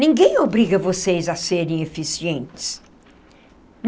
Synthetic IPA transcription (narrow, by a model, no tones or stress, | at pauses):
nĩŋɡẽj̃obɾiɡɐvosejzɐseɾẽj̃efisiẽnt̪ɪ̥s | n